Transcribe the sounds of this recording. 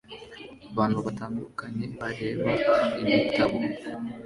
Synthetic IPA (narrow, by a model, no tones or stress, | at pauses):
aβaːn̥huβataːndukaɲe̞βaɾe̞ːβaimitʰaβo̞